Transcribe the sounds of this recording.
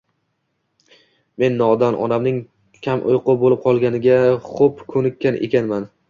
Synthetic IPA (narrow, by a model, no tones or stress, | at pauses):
me̞nːɒd̪anʔɒ̰namnɪŋ | kʲʰamʔʊ̰jqʊbolɪp̚qʰɒlˠɡʲanɪɡʲaχopkʰɵnɪkʲːanʔḛkʲʰanman